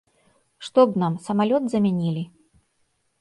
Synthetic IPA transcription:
ʂt̪ɔbnamsɐmalʲɔd̪zɐmʲanʲilʲi

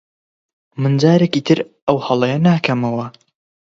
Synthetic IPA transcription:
mɨnd͡zaːɾekiːt̪ʰɨɾ | ɐwhɐlˠɐjɐnaːkʰɐmɐwɐ

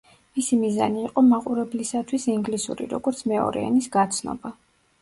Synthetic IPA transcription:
misimiza̰niːqʼɔmaqʼuɾɛblisat̪ʰwisiŋɡlisṵɾḭɾɔ̰ɡɔɾt̪sʰmɛɔ̰ɾɛ̰ɛ̰nisɡat̪sʰnɔ̰ba

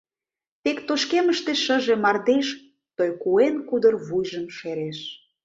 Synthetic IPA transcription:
t̪ekt̪oʃkeməʃt̪eʃəʒemɑrd̪eʃ | t̪ojkuenkud̪ə̆rβujʒəmʃeɾeʃ

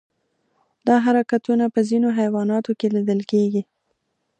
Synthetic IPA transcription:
d̪ɑɦaɾakat̪unapəzinoɦajwɑnɑt̪okelid̪əlkeɡi

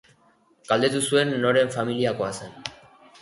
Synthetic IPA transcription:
ɡ̥ald̪e̞t̪̬usue̞nːo̞ɾe̞ɱfamiliako̞asen

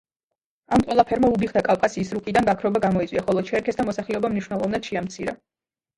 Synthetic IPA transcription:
amqʼwɛlˠapʰɛɾmaubiχd̪akʼafkʼasiːsɾukʼid̪anɡakʰɾɔbaɡamɔitsʼwiaχɔlˠɔt͡ʃʰɛɾkʰɛsd̪amɔsaχlɛɔbamniʃwnɛlˠɔvnad̪̥ʃɛamt̪sʰiɾa̰

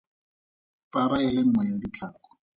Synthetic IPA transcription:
paɾaɛlɛŋ̩ŋwɛjadit͡ɬʰaːkɔ̥

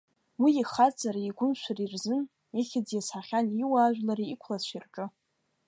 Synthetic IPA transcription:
wiiχat͡sʼaɾaiɡʷʊnʃʷʰarirzɨn | iχʲɪd͡zjasħaχʲaniwaːʒᶣʷlaɾiːkʷʰlaʃʷirʈ͡ʂʼɨ

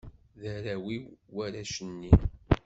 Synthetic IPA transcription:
ðæɾæwiwwæɾæʃənːi

